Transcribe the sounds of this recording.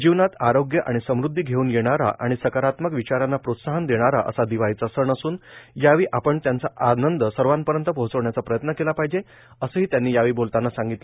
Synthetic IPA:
d͡ʑiʋnat̪aɾoɡjəʔaɽ̃isəmɾud̪ʱːiːɡʱeuːnjeɽ̃aɾa̰ʔaɽ̃isəkaɾat̪məkʋit͡ɕaɾanːapɾot̪saɦənd̪eɽ̃aɾaʔə̰sad̪iʋaiːt͡səsəɳəsuːnjaʋiːʔapəɳt̪jant͡saʔanənd̪əsəɾʋanpəɾjənt̪əpoɦt͡səʋɳjat͡sapɾəjət̪nəkelapaɦid͡ʑe | əsəːɦiːt̪janːiːjaʋiːbolt̪anːasãŋɡit̪lə

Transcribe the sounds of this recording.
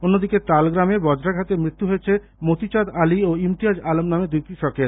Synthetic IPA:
onːod̪iket̪alɡɾamebɔd͡ʑɾaɡʱat̪emɾit̪ːuɦoet͡ɕʰe | mot̪it͡ɕad̪alioimt̪iad͡ʑalomnamed̪ujkɾiʃɔkeɾ

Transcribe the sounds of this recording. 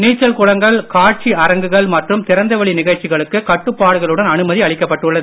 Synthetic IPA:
niːt͡ʃːɐlkʊɻɐŋɡɐɭkaːʈ̚t͡ʃiɐɾɐŋɡɯɣɐɭmɐʈrɯmt̪ɪɾɐnd̪ɐʋɐɭinɪɣɐɻt͡ʃɪɣɐɭɯkːɯkɐʈːɯpːaːɽɯɣɐɭɯɽɐnɐnɯmɐðiɐɭɪkːɐpːɐʈːɯɭːɐðɯ

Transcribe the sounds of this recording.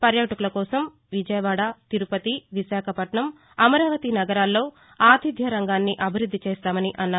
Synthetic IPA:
pɐɾjɐːʈɐkulɐkɔːsɐm | ʋid͡ʒɐjɐʋaːɽat̪iɾupɐt̪iʋiʃaːkʰɐpɐʈɳɐm | ɐmɐɾaːʋɐt̪inɐɡɐɾaːlːo̞ː | aːt̪id̪ʱjɐɾɐŋɡaːnːiʔɐbʱiɾud̪ʱːit͡ʃɛːst̪aːmɐniʔɐnːaː

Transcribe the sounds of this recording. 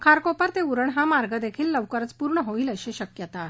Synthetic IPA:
kʰaɾkopəɾt̪euɾəɳɦamaɾɡəd̪ekʰiːlːəʋkəɾət͡spuɾɳəɦoiːləɕeɕəkjət̪a

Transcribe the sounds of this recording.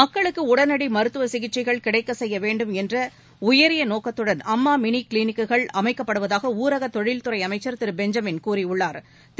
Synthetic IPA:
mɐkːɐɭɯkːɯʊɽɐnɐɽimɐɾɯt̪ːɯʋɐsɪɣɪʈ̚t͡ʃːɪɣɐɭkɪɽɐɪkːɐsɛjːɐʋeːɳɖɯmɛndrɐ | ʊjɐɾɪjɐnoːkɐt̪ːɯɽɐnɐmːaːmɪnikliːnɪkːɯɣɐɭɐmɐɪkːɐpːɐɽɯʋɐðaːɣɐuːɾɐɣɐt̪ːɔɻɪlt̪ɯɾɐɪɐmɐɪt͡ʃːɐɾt̪ɪɾɯbɛɲd͡ʒɐmɪnkuːɾɪʊɭːaːɾ | t̪

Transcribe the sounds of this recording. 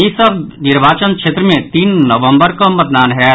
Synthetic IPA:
jisɐbnɪɾbaːt͡ʃənkʃeːt̪ɾəmẽt̪iːnːɐʋə̃mbəɾkamɐt̪̚d̪aːnɦɛ

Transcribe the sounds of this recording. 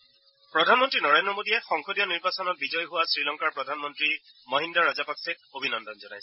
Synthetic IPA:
pɹɔdʱanmɔntɹinɔɹendɹɔmodijɛxɔŋkodijɔniɹbasɔnɔt̚bizɔjɦʊwasɹilɔŋkaɹpɹɔdʱanmɔntɹi | mɔɦindaɹazapaksɛ | obʱinɔndɔnzɔnajsɛ

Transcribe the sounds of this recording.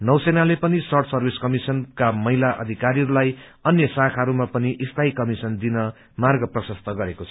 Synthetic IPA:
nʌwsenalepʌnisʌrʈʰsʌrbiskʌmisʌnkamʌɦilaʔʌ̰d̪ʱikaɾiʌɾulaj | ʌnjʌsakʰʌɾumapʌniʔist̪ʰaikʌmisʌnd̪inʌ | marɡʌprʌsʌst̪ʰʌɡʌɾekot͡sʰʌ

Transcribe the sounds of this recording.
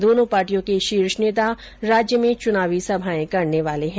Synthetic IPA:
d̪oːnõpaːɾʈijõkeʃiːɾʃneːt̪a | ɾaːd͡ʒjəmẽt͡ʃʊnaːʋisɐbʱaːẽkɐɾneʋaːleɦɛ̃

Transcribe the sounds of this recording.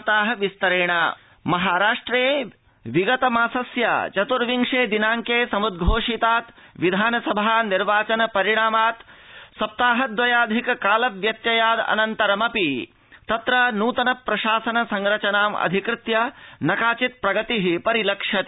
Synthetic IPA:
t̪aːɦɐʋist̪ɐɾeːɳ̃a | mɐɦaːɾaːʂʈɾeː | ʋiɡɐt̪ɐmaːsɐsjɐ̰t͡ʃɐt̪uɾʋiŋʂeːd̪inaːŋkeːsɐmud̪̚ɡʱoːʂit̪aːt̪ʋid̪ʱaːnɐsɐbʱaːniɾʋaːt͡ʃɐnɐpɐɾiɽ̃aːmaːt̪sɐp̚t̪aːɦɐd̪ʋɐjaːd̪ʱikɐkaːlɐʋʋjɐt̪jɐjaːd̪ɐ̰nɐnt̪ɐɾɐmɐpi | t̪ɐt̪ɾɐnuːt̪ɐnɐpːɾɐʃaːsɐnɐsɐŋɾɐt͡ʃɐnaːmɐ̰d̪ʱikɾɪt̪jɐnɐkaːt͡ʃit̪̚pɾɐɡɐt̪iɦipɐɾilɐkʂɐt̪

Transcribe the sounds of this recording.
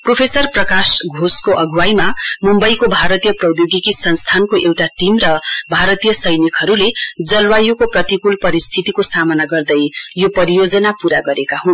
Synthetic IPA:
propʰesʌrprʌkasɡʱoskoʔʌɡʱuwajmamumbʌjkobʱaɾʌt̪ijʌprʌwjoɡikisʌnst̪ʰankoʔewʈaʈimrʌbʱaɾʌt̪ijʌsʌjnikɦʌɾuled͡zʌlwajukoprʌt̪ikulpʌɾist̪ʰit̪ikosamʌnaɡʌrd̪ʌjjopʌɾijod͡zʌnapuɾaɡʌɾekaɦũ

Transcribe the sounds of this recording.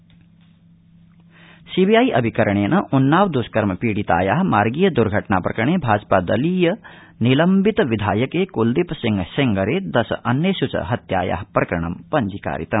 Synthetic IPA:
sibijaːjʔɐbʱikɐɾɐɳ̃eːnɐʔunːaːwd̪uskɐɾmɐpiːɽit̪a̰ːjaːɦmaːɾɡiːjɐd̪uɾɡʱɐʈnaːpɾɐ̰kɾɐɳ̃eːbʱaːd͡ʒpaːd̪ɐliːjɐ | nilɐmbit̪ʋid̪ʱaːjɐkekuld̪ipsiŋɡsiŋɡɐɾeːd̪ɐsʔɐnːesut͡ʃɐ̰ɦɐt̪ja̰ːja̰ːɦpɾɐkɐɾɐɳɐmpɐɲd͡ʒika̰ːɾḭt̪ɐm

